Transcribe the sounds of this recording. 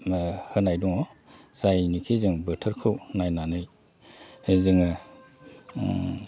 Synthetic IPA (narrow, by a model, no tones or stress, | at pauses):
hɯnajduŋɔ | z̥ajnikʰizɯŋbɯtʰɯɾkʰɯwnajnanɯj | zɯŋɯ